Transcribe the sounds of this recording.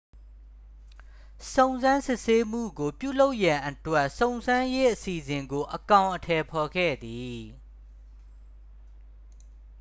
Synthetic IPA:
sõ˨ʊ̃nzã˦nsɪ˦˨ʔse˦m̥ṵ˦˨ɡo˨pjṵ˦˨lo˦ʊʔjã˨ʔətwɛ˦ʔsõ˨ʊ̃nzã˦je˦ʔəsi˨zɪ̃˨ŋɡo˨ʔəkã˨ʊ̃ʔətʰɛ˨pʰɔ˨ɡɛ̰˦˨d̪i˨

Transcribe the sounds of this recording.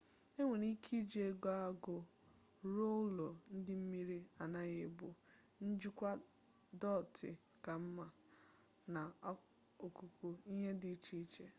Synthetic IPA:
e˦ŋʷe˨ni˦kʰi˦d͡ʒe˨e˦ɡa˦a˦ɡʊ˨ | ɾo˦lo˨n̩˦dɪ˦m̩˦mi˦ɾi˦a˨na˦ɣɪ˨bʊ˨ | n̩˦d͡ʒu˦kʷa˦ | dɔ˦˨tɪ̰˨ | ka˨m̩˦ma˨ | na˨˦ | o˨ku˨ku˨i˦ɦe˦dɪ˨˦t͡ʃi˦t͡ʃe˦

